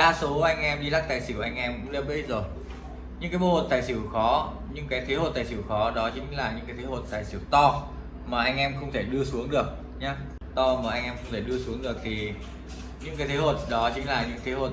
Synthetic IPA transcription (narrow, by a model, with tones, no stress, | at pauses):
aː˧so˨˦ʔa˧jŋ̟ʔɛ˧mɗi˧la˦˥k̚t̪aː˨˩jsi˧˩wʔŋʔɛ˧mkʊ̰˧˥ŋ͡mle˧pɓ̚zo˨˩j | ɲɨ̰˧˥ŋkːaː˨˦jɓo˧ho˨˩t̚t̪aː˨˩jsi˧˩wxɔ˨˦ | ɲɨ̰˧˥ŋkaː˨˦jt̪ʰe˨˦ho˨˩t̪aː˨˩jsi˧˩wxɔ˨˦ɗɔ˨˦t͡ɕï˨˦ŋ̟laː˨˩ɲɨ̰˧˥kaː˨˦jt̪ʰe˨˦ho˨˩t̚t̪aː˨˩jsi˧˩ə˩wt̪ɔ˧ | maː˨˩ʔa˧jŋ̟ʔɛ˧mxə˧wŋ͡mt̪ʰe˧˩ɗɨ˧əsu˨˦əŋɗɨ˨˩ək̚ | ɲaː˨˦ | t̪ɔ˧maː˨˩ʔa˧jŋʔɛ˧mxə˧wŋ͡mt̪ʰe˧˩ɗɨ˧əsu˨˦əŋɗɨ˨˩ək̚t̪ʰi˨˩ | ɲɨ̰˧˥kaː˨˦jt̪ʰe˨˦ɦo˨˩t̚ɗɔ˨˦t͡ɕï˨˦ŋ̟laː˨˩ɲɨ̰˧˥ŋt̪ʰe˨˦ho˨˩